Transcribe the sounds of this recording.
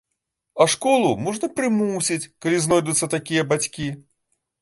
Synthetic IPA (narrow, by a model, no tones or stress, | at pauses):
ɐʂkɔlˠumɔʐnɐpɾɨmusʲit͡sʲkalʲiznɔjd̪ut̪sːɐt̪akʲijɐbat͡sʲkʲi